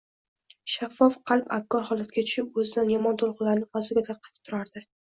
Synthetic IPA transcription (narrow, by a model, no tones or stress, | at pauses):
ʃafːɒfqʰɑlˠpab̚kːɒɾhɒlˠat̪ɡʲat̪ʰʊ̥ʃɪp̚ɵzɪd̪anjɒmɒnt̪ʰolˠqɨlaɾnɪfɒzɪɡʲat̪ʰaɾqʰɑ̥t̪ʰɪ̥p̚t̪ʰʊɾaɾd̪ɪ